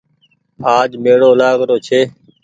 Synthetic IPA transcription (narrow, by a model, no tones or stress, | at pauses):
aːd͡ʒmeːɽoːlaːɡɾoːt͡ʃʰeː